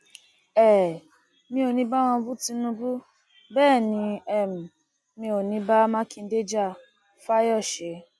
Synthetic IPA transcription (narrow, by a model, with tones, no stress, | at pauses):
ɛ˦˨ | mĩ˧o˨nĩ˨˦ba˦w̃ɔ̃˧bu˦tĩ˧˦nũ˧˦bu˦ | bɛː˦˨nĩ˨˧˦ɛ˦˨m̩˨ | mĩ˧o˨nĩ˨˦ba˦mã˦kĩ˦˧n̩˦de˦d͡ʒa˦˨ | fa˦jɔ˦˨ʃe˨˦